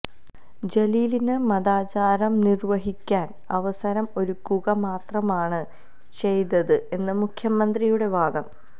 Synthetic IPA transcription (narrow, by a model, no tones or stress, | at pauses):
d͡ʑeliːlinɨmɐðaːt͡ɕaːɾɐmnirʋɐɦikʲːaːn | ɐʋɐsɐɾɐmo̞ɾukːuɣɐmaːt̪rɐmaːɳɨ | t͡ɕe̞jt̪ɐðɨe̞nːɨmukʰjɐmɐnd̪rijuɽe̞ʋaːd̪ɐm